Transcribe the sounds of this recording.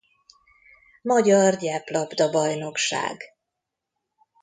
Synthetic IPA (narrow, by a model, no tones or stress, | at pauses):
mɒɟɒrdɛplɒbd̪ɒbɒjno̞kʃa̰ːɡ